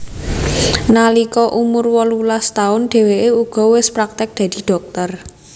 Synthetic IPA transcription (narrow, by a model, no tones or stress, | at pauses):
nalikɔʔumʊrwɔlulast̪aʊnɖ̪̥e̤weʔeuɡ̥ɔ̤wɪspɾak̚t̪ɪk̚d̪̥ä̤d̪̥i̤ɖ̪̥ɔ̤k̚t̪ər